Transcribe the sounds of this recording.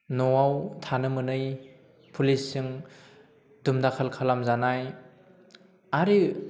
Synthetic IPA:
nɔwawtʰanɯmɯnɯj | pʰulisːiŋ | dumdakʰalkʰalamzanaj | aɾi

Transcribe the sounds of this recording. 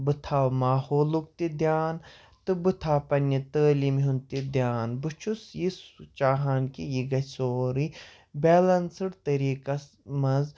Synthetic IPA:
bɨt̪ʰaːwmaːhoːluk̚t̪id̪jaːn | t̪ɨbɨt̪ʰaːpɐnːit̪əːlimɦunt̪id̪jaːnbɨt͡ʃʰusjist͡ʃaːɦaːnkijiɡɐsoːɾi | bɛːlɐnsɨɽt̪ɐɾiːkɐs | mɐz

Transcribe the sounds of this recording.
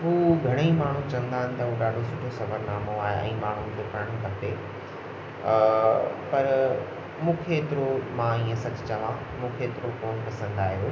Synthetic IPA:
ɦuːɡʱɐɽ̃eimaːɳ̤ũt͡ɕɐ̃ə̃nd̪aːɦɪ̃nɪ̆t̪ɐɦuːɗaːɖʱosʊʈʰosɐbəɾnaːmoaːɦeʔɛ̰̃ːmaːɳ̤unɪ̆kʰeːpɐɽə̃ɽ̃kɐt̪e | pɐɾ | mũːkʰeːt̪ɪɾomãiːə̃sɐt͡ɕ̆t͡ɕɐʋã | mũːkʰeːt̪ɪɾokoːnpɐsə̃nd̪aːɦijo

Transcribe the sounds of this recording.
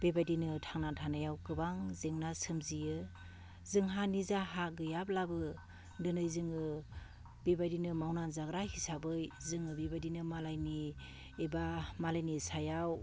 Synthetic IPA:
b̥ebadinɯtʰaŋnatʰanajawkɯbaŋzɯŋnasɯmzijɯ | zɯŋɦanizaɦaɡɯjap̚labɯ | dɯnɯjzɯŋɯ | bebadinɯmawnanzaɡɾahisabɯjzɯŋɯbebadinɯmalajni | ebamalajnisajaw

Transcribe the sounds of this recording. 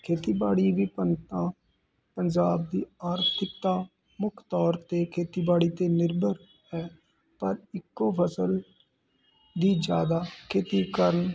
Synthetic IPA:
kʰeːt̪iːbaːɽiːʋiːpənt̪ãː | pəɲd͡ʒaːb̚d̪iːaːɾt̪ʰɪk̚t̪aː | mʊkʰt̪ɔːɾt̪eːkʰeːt̪iːbaːɽiːt̪eːnɪɾbəɾ | ɦɛː | pəɾɪkːoːpʰəsəl | d̪iːd͡ʒjaːd̪aːkʰeːt̪iːkəɾən

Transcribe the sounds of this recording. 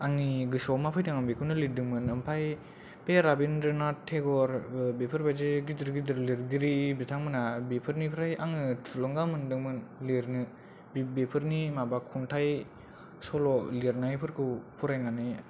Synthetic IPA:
aŋniɡɯsɔmapʰajtʰaŋambekʰɯwnɯlidɯŋmɯnɯmpʰaj | peɾabinɾɯnatʰːeɡɔɾbepʰɯɾbajzeɡidɯɾɡidɯɾliɾɡiɾibitʰaŋmɯnabepʰɯɾnipʰɾajaŋɯtʰlɔŋɡamɯndɯŋmɯnliɾnɯ | bbepʰɯɾnimabakʰuntʰaj | sɔlɔliɾnajpʰɯɾkʰɯwpʰuɾajnanɯj

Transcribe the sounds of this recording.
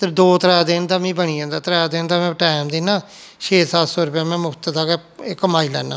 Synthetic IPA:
t̪ed̪oːt̪əɾɛːd̪eːnd̪aːmĩːbəɳiːãːnd̪aːt̪ɾɛːd̪eːnd̪aːmɛ̃ːʈɛːmd̪ɪːnːaː | ʃʰeːsaːlsoːɾəpaːmɛ̃ːmʊkʰt̪d̪aːkɛɪkːəmaːiːlɛ̰ːna̰ː

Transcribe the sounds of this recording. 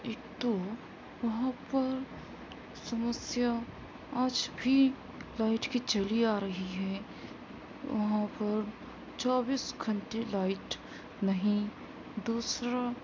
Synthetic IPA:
eːkt̪o | ʋɐɦãpɐɾ | sɐməsja | aːd͡ʒbʱi | laːɪʈkit͡ʃɐliaːɾɐɦiɦɛː | ʋɐ̰ɦãpɐɾ | t͡ʃaːbiːsɡʱɐ̃ɳʈelaːɪʈ | nɐɦĩ | d̪uːsɾa

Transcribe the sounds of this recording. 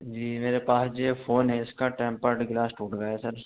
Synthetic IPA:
d͡ʒiːmeːɾepaːsd͡ʒefʰoːnɦeɪskaʈɛ̃ːmpəɾʈɡlaːsʈuːʈɡaesɐɾ

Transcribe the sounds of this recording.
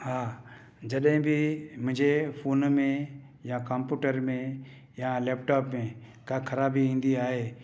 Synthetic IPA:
haː | d͡ʒɐɗɦɪ̃bɪmʊ̃ɦd͡ʑefʰoːnmẽ | jakə̃mpjuːʈəɾmẽ | jaleːp̚ʈaːpmẽ | kakʰɐɾaːbiĩːn̆d̪iaːɦeː

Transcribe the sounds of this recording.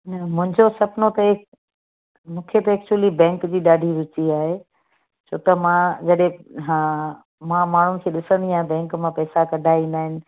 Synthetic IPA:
nɐmʊ̃ɦɪ̃ɲd͡ʑosɐpnot̪ɐe | mũːkʰet̪ɐeːk̚t͡ɕuwəlibɛ̃ːŋkd͡ʑiːɗaːɖʱiɾʊt͡ɕiaːɦe | t͡ɕʰoːt̪ɐmãd͡ʑɐɗɦẽɦãː | mãmaːɳ̤ʊnɪ̆kʰeːɗɪsə̃nd̪iaːɦẽbɛ̃ːŋkmãpɛːsakɐɖʱaːĩnd̪aːɦɪnɪ̆

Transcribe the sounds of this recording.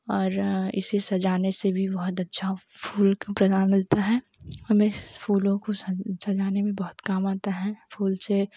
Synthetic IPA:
ɔːɾɪ̰sesɐd͡ʒaːnesebʱibɐɦʊt̪ɐtːʃʰa | fʰuːlkapɾɐd̪aːnmɪlt̪aɦɛː | hɐmẽpʰuːlõkosɐd͡ʒaːnemẽbɐɦʊt̪kaːmaːt̪aɦɛfʰuːlse

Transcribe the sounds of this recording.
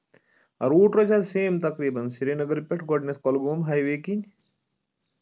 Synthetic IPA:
ɐɾuːʈɾɐt͡ʃaseːmt̪ɐkɾiːbɐnsiɾenɐɡɐɾpeʈɡɔɖneskɔlɡoːmɦaːjʋeːkin

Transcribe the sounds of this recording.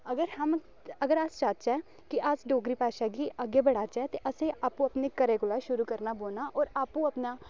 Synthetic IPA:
əɡəɾhəm | əɡəɾəst͡ʃaːt͡ʃɛː | kɪasɖoːɡɾiːpɛːʃaːɡiːəɡeːbəɽaːt͡ʃɛːt̪eːʔəsẽːʔaːpũːəpneːkəɾeːkʊlaːʃʊɾuːkəɾnaːboːnaːʔɔːɾaːpũːəpnaː

